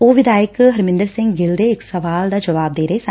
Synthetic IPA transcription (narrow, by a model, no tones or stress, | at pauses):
oːʋɪd̪aːjəkɦɐɾmɪ̃nd̪əɾsɪ̃ŋɡɡɪld̪eɪksɐʋaːld̪aːd͡ʒɐʋaːb̚d̪eːɾəɦesa